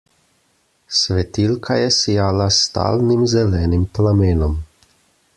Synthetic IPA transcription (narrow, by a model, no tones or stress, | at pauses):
sʋɛt̪ilkʰajɛsijaːlast̪a̰ːlnimzɛlɛːnimplameːnɔm